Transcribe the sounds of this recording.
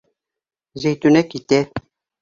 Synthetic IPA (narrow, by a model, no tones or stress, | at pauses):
zejt̪unɛkit̪ɛ